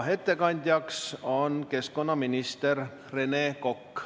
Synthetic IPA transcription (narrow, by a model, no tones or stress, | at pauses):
ɦe̞t̪ːe̞kɑnʲd̪̥ʲjɑkso̞nke̞sko̞nːɑminʲist̪er | re̞neːko̞kː